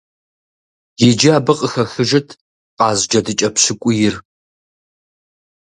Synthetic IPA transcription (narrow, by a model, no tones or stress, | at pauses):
jɪd͡ʒɪaːbɐqʼəxɐxɨʒɐtʰ | qʼɑːzd͡ʒɐdɨt͡ʃʼɐpɕɪkʷʼʊjɪr